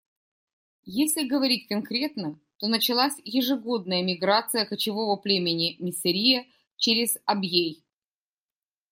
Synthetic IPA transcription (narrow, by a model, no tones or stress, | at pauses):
jesʲlʲɪɡəvɐɾʲit̚ʲkɐnkɾʲe̞t̪nə | t̪o̞nət͡ɕɪlˠasʲjɪʐɨɡo̞d̪̚nəjəmʲɪɡɾat̪sɨjəkət͡ɕɪvo̞vəplʲemʲɪnʲɪmʲɪsɨɾʲijə | t͡ɕeɾʲɪz̥ɐbjej